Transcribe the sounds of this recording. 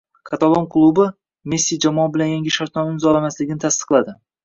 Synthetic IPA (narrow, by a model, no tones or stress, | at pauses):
kʰat̪alˠomkʰlˠubɪ | mesːijd͡ʒamɒbɪlanjaŋɡʲɪʃaɾt̪nɒmɪɪzɒlamaslɪɡʲɪnɪt̪ʰast̪ɨ̥qlˠad̪ɪ